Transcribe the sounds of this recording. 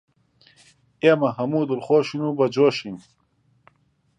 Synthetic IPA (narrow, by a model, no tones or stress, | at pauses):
emɐɦɐmuːd̪uɾχoːɕinubɐd͡ʑoɕin